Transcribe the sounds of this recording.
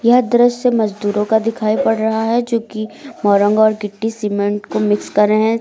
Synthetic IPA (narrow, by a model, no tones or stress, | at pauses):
jɐɦd̪ɐɾəssemɐzd̪uːɾõkad̪ɪkʰaːipɐɽɾɐɦaɦɛd͡ʒoːkimɔːɾə̃ŋɡɔːɾɡɪʈːisiːmẽɳʈkomɪkskɐɾːəɦɛ̃